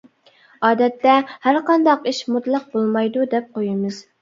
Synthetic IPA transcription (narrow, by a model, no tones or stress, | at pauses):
ɑːd̪ɛt̪ːɛhæɾqɑnd̪ɑqiʃmut̪lˠɑq̚bolˠmɑjd̪ud̪ɛp̚qʰojɪmɨz̥